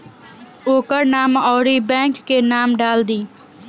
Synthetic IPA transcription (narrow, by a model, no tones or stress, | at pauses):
oːkəɾnaːmɔːɾiːbɛ̃ːŋkːeːnaːmɖaːld̪iː